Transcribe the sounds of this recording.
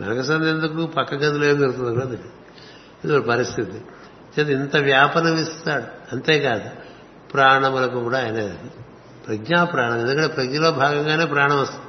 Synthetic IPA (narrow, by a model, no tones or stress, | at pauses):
nɐ̰nɐkɐsɐnd̪end̪uk̬uːpɐkːɐɡɐt̪uleːmd͡ʒ̪ɐɾut̪und̪ɐkːɽɐd̪inːi | id̪uɐɽupɐɾist̪ʰit̪i | t͡ʃet̪int̪ɐʋjaːpɐnɐmist̪aːɽuɐnt̪e̞ːkaːd̪u | pɾaːɳɐmɐlɐkukuːɽaːjɐneː | pɾɐɡɲaːpɾaːɳɐmend̪ukɐɳʈːepɾɐɡɲɐloːbʱaːɡɐŋɡaːne̞ːpɾaːɐɳɐmɐst̪ɐ